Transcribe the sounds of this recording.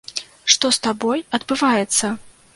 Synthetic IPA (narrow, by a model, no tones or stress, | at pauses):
ʂt̪ɔst̪abɔjɐd̪bɨvajɛt̪sːɐ